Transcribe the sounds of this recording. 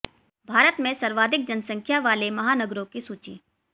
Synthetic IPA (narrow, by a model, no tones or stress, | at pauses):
bʱaːɾət̪mẽsɐɾʋaːd̪ʱɪk̚d͡ʒɐnsə̃ŋkʰjaʋaːlemɐɦaːnəɡɾõkisuːt͡ʃḭː